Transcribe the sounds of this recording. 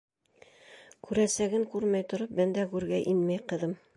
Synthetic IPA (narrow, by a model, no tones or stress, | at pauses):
kʉɾæsæɡɘŋkʉɾmæjt̪ŏɾɤp̚bænd̪ækʉɾɡæʔinmæjqɤ̆ðɤm